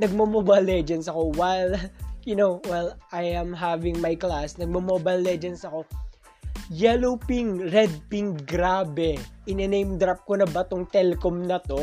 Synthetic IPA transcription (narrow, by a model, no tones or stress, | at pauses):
nɐɡ̚mɐmobɐlːɛd͡ʒɛnd̪sɐko̞wajljʊnowwɛlʔajɐ̃mɦavɪŋmajklasnɐɡ̚mɐmobɐjlːɛd͡ʒɛnsɐko̞ | jɛlowpɪŋɾɛd̪̚pɪŋɡɾaːbɛʔɪnɛnejmd̪ɾap̚konɐbɐt̪oŋt̪ɛlɛkomnɐt̪o̞